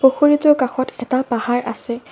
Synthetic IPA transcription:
poxoɹitɔkaxɔtʰɛtapahaɹʔasɛ

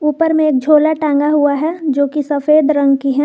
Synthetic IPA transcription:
uːpəɾmẽeːk̚d͡ʒʱoːlaʈãːŋɡaɦuaɦɛd͡ʒoːkisɐfeːd̪ɾɐ̃ŋɡkiɦɛ

